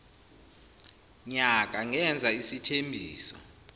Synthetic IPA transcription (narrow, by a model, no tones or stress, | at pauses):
ɲak̬ʼaŋɛnd͡zʱaisitʰembʱiːsɔ